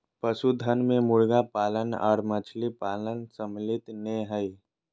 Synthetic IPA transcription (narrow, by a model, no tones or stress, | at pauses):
pəsud̪ʱənmẽmʊɭɡapaːlənɔ̰ːɾmət͡ʃʰlipaːlənsəmlɪt̪neɦəi